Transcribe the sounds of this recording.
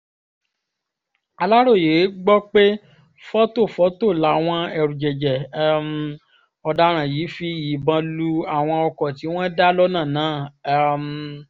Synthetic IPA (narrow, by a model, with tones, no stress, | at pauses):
a˧la˦ɾo˦˨je˨˦ɡ͡bɔ˦k͡pe˦ | fɔ˦to˦˨fɔ˨˦to˦˨la˨˦w̃ɔ̃˧ɛ˧˨ɾũ˨d͡ʒɛ˨d͡ʒɛ˨˧m˧ | ɔ˧da˦ɾ̃ã˨ji˨˦fi˦i˨bã˧˦lu˦a˨w̃ɔ̃˧ɔ˧kɔ˨ti˨˦w̃ɔ̃˦da˦lɔ˦nãː˦˨nãː˨˦˨m